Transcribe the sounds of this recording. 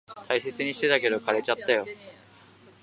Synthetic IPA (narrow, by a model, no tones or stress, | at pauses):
t̪ʰaise̞t͡sɨɲ̟iɕi̥t̪e̞t̪ake̞d̪o̞kʰaɾet͡ɕat̪ːajo̞